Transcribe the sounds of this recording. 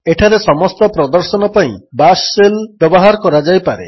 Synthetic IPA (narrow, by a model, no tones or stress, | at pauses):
eʈʰaɾesɔmɔst̪ɔpɾɔd̪ɔɾsɔnɔpaḭ̃basːelbjɔbɔɦaɾɔkɔɾad͡ʒajpaɾḛ